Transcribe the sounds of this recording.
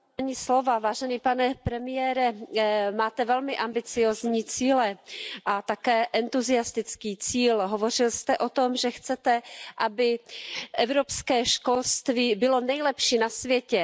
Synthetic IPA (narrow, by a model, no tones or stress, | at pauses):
aɲislo̞vavaːʒɛniːpanɛpɾɛmɪjɛːɾɛmaːt̪ɛvɛlmɪʔambɪt͡sɪjoːzɲiːt͡siːlɛʔat̪akɛːʔɛnt̪uzɪast̪ɪt͡skiːt͡siːlɦovo̞r̝ɪlst̪ɛʔot̪o̞mʒɛxt͡sɛt̪ɛʔabɪʔɛvɾopskɛːʃkolst̪viːbɪlo̞nɛjlɛpʃiːnasvjɛcɛ